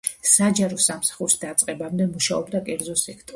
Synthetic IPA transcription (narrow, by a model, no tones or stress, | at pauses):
sad͡ʒaɾɔsamsḁχuɾisd̪at̪sʼqʼɛbamd̪ɛmuʃaɔbd̪akʼɛɾd̪zɔsɛkʰt̪ʼ